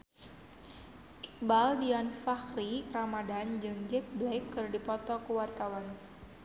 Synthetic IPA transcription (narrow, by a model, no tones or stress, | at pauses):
ʔik̚baldiɔnfaxriramadand͡ʒɨŋd͡ʒɛk̚blajkːɨrdipɔt̪ɔkuwart̪awan